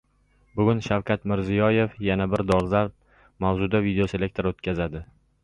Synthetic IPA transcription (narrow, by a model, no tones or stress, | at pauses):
bʊɡʲʊnʃawkʰʲat̪mɪɾzijɒje̞fjanabɪɾd̪ɒɾzaɾp̚ | mawzʊd̪avid̪eose̞le̞k̚ʲt̪ʰeɾot̪̚kʲazad̪ɪ